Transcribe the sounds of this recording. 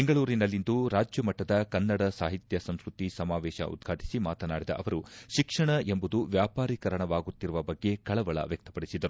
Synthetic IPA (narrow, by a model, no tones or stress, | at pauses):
beŋɡɐɭuːɾinɐlːind̪uɾaːd͡ʒjɐmɐʈːɐd̪ɐkɐnːɐɽɐsaːɦit̪jɐsɐmskɾut̪isɐmaːʋɛːʃɐ̰ʔṵd̪ɡʱaːʈi̥simaːt̪ɐnaːɽid̪ɐ̰ʔɐʋɐɾuʃikʂɐɳɐʔe̞mbud̪uʋjaːpaːɾiːkɐɾɐɳɐʋaːɡut̪ːiɾuʋɐbɐɡːe̞kɐɭɐʋɐɭɐ̰ʋjɐk̚t̪ɐ̥pɐɽisid̪ɐɾu